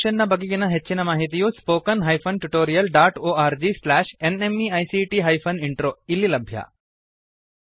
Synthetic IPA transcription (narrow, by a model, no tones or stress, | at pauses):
ʃənːabɐɡikinaɦeːt͡ʃːinɐmaːɦit̪ijuspoːkənɦaːjfʰonʈuʈoːɾijəlɖaːʈoːaːɾd͡ʒislæːʃenemiajsiʈiɦaːjfʰɐniɳʈɾoːilːilɐbʱja̰